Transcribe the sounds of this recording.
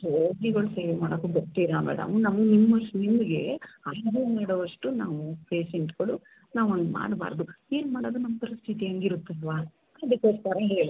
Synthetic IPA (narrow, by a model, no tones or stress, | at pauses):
ɾoːɡiɡɐɭuseːʋemaːɽokːuɡoʈ̪ːiɾaːbɛ̰ːɽa̰ːmunaːmunimːɐʂunimɡe̞ɐjd̪umaːɽɐʋɐʂʈunaːʋupeːʃeɳʈɡɐɭu | naːʋond̪ma̰ːɖba̰ːɾd̪ue̞ːnmaːɽoːd̪unɐmːɐpɐɾist̪ʰit̪iɐŋɡiɾut̪ːɐlʋaː | ɐd̪ukːosk̪aɾɐɦeːɭi